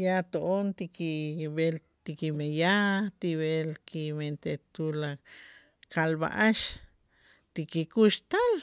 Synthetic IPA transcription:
jat̪oʔont̪ikiβel | t̪ikimejat̪iβelkiment̪et̪ula | kalba̰ʔaʃ | t̪ikikuʃt̪al

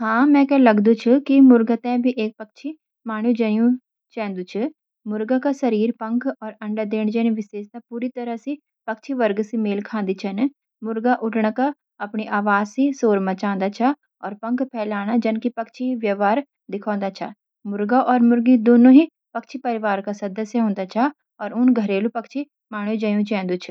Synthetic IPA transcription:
hãːmɛ̃ːkɛːləɡd̪ũt͡ʃʰkimʊɾɡat̪ɛ̃ːbʱiʔeːk̚pək̚t͡ʃʰi | maːɽ̃ũːd͡ʒəjũ | t͡ʃɛ̃ːnd̪uːt͡ʃʰə | mʊɾɡakasəɾiːɾpəŋkʰɔːɾəɳɖad̪eːɳd͡ʒɛːnẽʋɪseːst̪apuːɾiːt̪əɾəsiː | pəkt͡ʃʰiʋəɾɡsimeːlkʰãːnd̪iːt͡ʃʰən | mʊɾɡaʔʊʈɳaːka | ɐpɳiʔaːʋaːzsisoːɾmət͡ʃãːnd̪aːt͡ʃʰa | ɔːɾpə̃ŋkʰpʰɛːlaːɽ̃ad͡ʒənkipəkt͡ʃʰiiʋjəʋaːɾ | d̪ɪkʰɔ̃ːnd̪at͡ʃʰa̰ː | mʊɾɡaʔɔːɾmʊɾɡid̪oːnõːɦiː | pəkt͡ʃʰipəɾɪʋaːɾkasəd̪əsjaɦʊ̃ːnd̪aːt͡ʃʰaː | ɔːɾʊnɡʱəɾeːlupɐkt͡ʃʰi | maːɽ̃ud͡ʒajũt͡ʃɛ̃ːnd̪ut͡ʃʰ

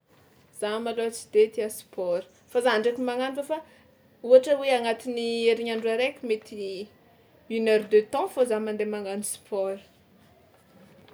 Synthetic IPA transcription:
z̥amalot͡si̥d̪et̪iasi̥pɔɾə̥ | fazaɳɖ͡ʐakimaŋanfəfa | uaʈ͡ʂəweaŋat̪inieɾiɲaɳɖ͡ʐaɾekʲumet̪i | unɛɾd̪øt̪ɔ̃fozamand̪emaŋanisi̥pʰɔɾə̥

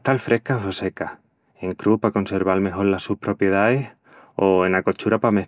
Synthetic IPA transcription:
t̪alfɾʔe̞hkasose̞ka | e̞ŋkɾuhpako̞nse̞ɾβalme̞ɦo̞ɾlasuhpɾo̞pje̞ð̞aes | oe̞nako̞t͡ʃuɾapame

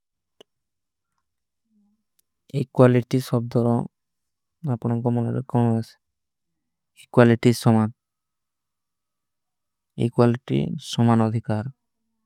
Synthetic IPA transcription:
ejkwaliʈisɔb̚d̪ʱɔɾɔ | apɔñɔŋkɔmɔnḛɾḛkɔnɔase̥ | ejkwaliʈisɔman | ḛjkwaliʈḭsɔmanɔd̪ʱikaɾ

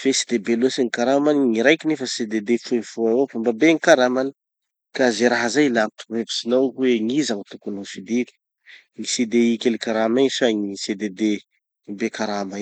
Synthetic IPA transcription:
fesi̥d̪ebelosiŋikaɾamaniŋiɾajkinefəsed̪ed̪efuefuawofambabeŋikaɾamani̥ | kazeɾaɦazajlaʈ͡ʂuvepi̥sinawweŋizaŋit̪ukunosid̪iki̥ | ŋised̪eikʲelikaɾamasaŋised̪ed̪e | bekaɾama

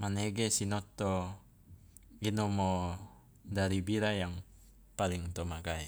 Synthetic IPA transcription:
manɛɡɛsinot̪ːo | ɡinomo | d̪aɾibiɾajaŋ | paliŋt̪omaɡaj

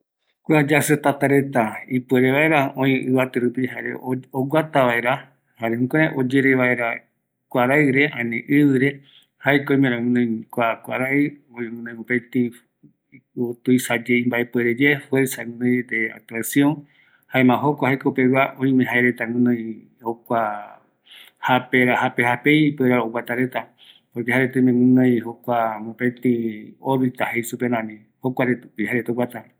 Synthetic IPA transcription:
kʷad͡ʒaset̪at̪aɾe̞t̪aipueɾeβaeɾaõĩʔɨβat̪ɨɾupihaɾḛoɡʷat̪aʋae̞ɾa | haɾehũkõɾãʔod͡ʒe̞ɾeʋaeɾa | kʷaɾaɨɾe̞ʔãnẽʔɨβɨɾe̞ | hajkojmẽɾ̃ãwɨ̃nõjkʷakʷaɾaɨoĩŋɨ̃nõjopet̪i | ot̪uisad͡ʒejmbaʔepweɾed͡ʒefweɾsaŋũnãjd̪ea̰t̪uasjõŋ | haẽmãɦokʷahajkoupeβaʔõj̃mẽɦaeɾet̪aŋũnãj | hokʷa | hapeɾahapehapejpeɾaowat̪aɾet̪a | poɾkehaɾet̪ɨmẽŋũnãj̃hokʷamõpet̪ĩoɾɨt̪ahejsupeɾãmĩ | hokʷaɾeihaɾet̪owat̪a

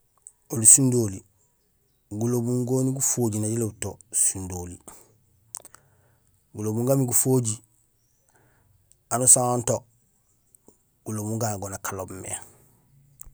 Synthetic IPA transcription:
olisundoli | ɡulobuŋɡoːniɡufoːɟinaɟilobutosundoli | ɡulobuŋɡamiɡufoːɟi | anusaŋonto | ɡ̥ulobuŋɡanɡonakalobmḛ

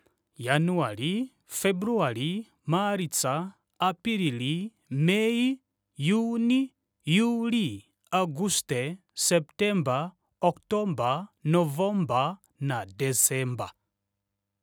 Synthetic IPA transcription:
januali | fɛbɾuali | maɾit͡saː | piɾili | mɛi | juni | juli | aɡustɛ | sɛptɛmba | ɔktɔmbanɔvɔmba | nadɛsɛmba

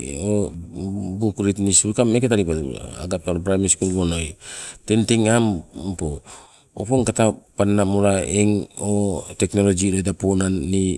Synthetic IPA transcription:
o | bukɾitnisɾukamekataɾipaa̰ɡap̚taɾbɾajmiskunβonojtentiŋampo | opoŋkatapanːamuɾaeŋoteknolod͡ʒiɾodaponanːi

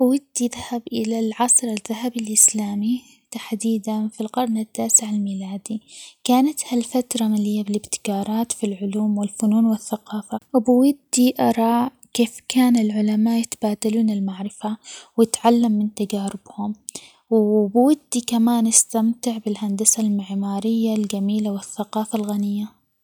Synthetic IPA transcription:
b̥wad̪ːiðahabʔɪ̰lalʕɑsˤɾɪðːaɦabɪlʔɪslaːmi | t̪aħd̪iːd̪anfilqɑɾˤnɪt̪ːaːsɪʕalmiːlaːd̪ikaːnat̪halfat̪ɾˤɑmalɪjːabɪlɪbt̪ɪ̥kɑːɾˤɑːt̪filʕʊluːmwɪlfʊnuːnwɪθːaqɑːfawbɪwad̪ːiʔɑɾˤɑː | keːfkaːnɪlʕʊlamaːʔjɪt̪abaːd̪aluːnɪlmaʕɾɪfawjɪt̪ʕalːamːɪnt̪ad͡ʒaːɾɪb̥hʊm | wbɪwad̪ːikamaːnast̪amt̪ɪʕbɪlhand̪asalmɪʕmaːɾɪjːald͡ʒamiːlawɪθːaqɑːfalɣanɪjːa

